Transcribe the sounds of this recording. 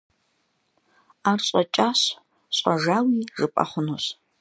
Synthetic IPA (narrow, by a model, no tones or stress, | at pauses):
aːrɕʼɐt͡ʃʼaːɕ | ɕʼɐʒaːwiːʐɨpʼɐ̰χʷʊnos